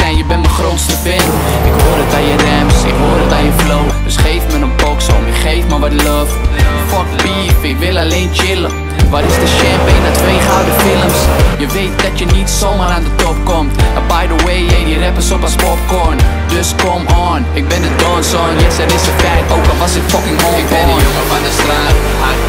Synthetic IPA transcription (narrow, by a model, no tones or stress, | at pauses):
ɛjəbɛndəχrowtstəfɪlm | ɪkɦoːɹdətajərɛpsɪkɦoːɹdətajəflowdøsχejfmənənbɔksɔ̰mɪχejfməʋɑtlɔf | fɔtbifɪkʋɪlˠalejnt͡ʃɪlə | ʋɑtɪsdəʃɛmpejnatʋejχəawdəfɪləmsjəʋejt̚dɑtjənitsomɑaɾandətɔp̚kɔmtəbajdəweɪeəɾɛpəsɔpɔspɔpkɔɹn | døskɔmɔnɪk̚bɪ̃ndədɔnsɔŋjɛsəɾɪsəfɛktoːkəʋɑsɪkfɔkɪ̃ŋɔɪbɔməbadəstraːt | a